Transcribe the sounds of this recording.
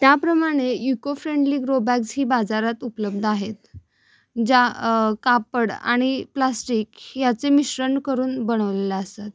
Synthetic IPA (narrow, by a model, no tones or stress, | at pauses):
t̪japɾəmaɽ̃ejukofɾeɳɖliːɡɾobaksɦiːbad͡zaɾat̪upləb̚d̪ʱaɦet̪ | d͡ʑakapəɽa̰ɽ̃iplasʈiːkjat͡semiɕɾəɳɖkəɾuːnbəɽ̃əʋlelaəst̪at̪̚